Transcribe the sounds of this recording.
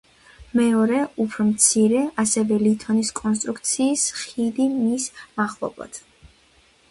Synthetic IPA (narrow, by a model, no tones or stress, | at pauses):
mɛɔɾɛupʰɾɔmt̪sʰiɾɛasɛvɛlit̪ʰɔniskʼɔns̬t̪ʼɾukt̪sʰiːsχid̪imismaχlˠɔ̰blˠa̰d̪̥